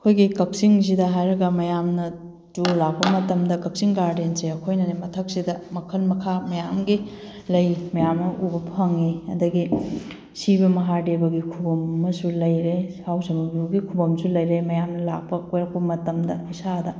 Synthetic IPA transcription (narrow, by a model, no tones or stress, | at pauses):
ɐkʰojɡikɐp̚siŋs̬idɐɦajɾɐɡɐmɐjamnɐ | tulak̚pɐmɐtɐmdɐkɐp̚siŋɡaɾdensɾeɐkʰojnɐnemɐtʰɐk̚sidɐmɐkʰɐlmɐkʰamɐjamɡi | lɐjmɐjamnɐʔubɐpʰɐŋiɐ̰dɐɡi | sibɐmɐɦadebɐɡikʰubɐmːɐsulɐjɾesawsɐmɐbuwɡikʰubɐmsulɐjɾemɐjamnɐla̰k̚pɐkojɾɐk̚pɐmɐtɐmdɐisadɐ